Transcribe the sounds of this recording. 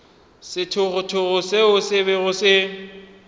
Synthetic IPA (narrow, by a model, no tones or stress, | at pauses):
sɪtʰʊɣʊtʰʊɣʊseʊsɪβɛɣʊsɪ